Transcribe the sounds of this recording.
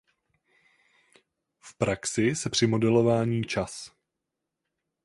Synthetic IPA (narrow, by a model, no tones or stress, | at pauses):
fpɾaksɪsɛpr̝̥ɪmo̞dɛlo̞vaːɲiːt͡ʃas